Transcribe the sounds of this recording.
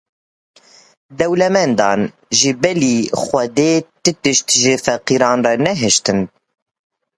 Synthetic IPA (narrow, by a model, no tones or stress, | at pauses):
d̪ɛwlɛmɛnd̪ɑːn | ʒɨbɛliːxʷɛd̪eːt̪ɨt̪ɨʃt̪ʒɨfɛqiːɾɑːnrɛnɛɦɛʃt̪ɨn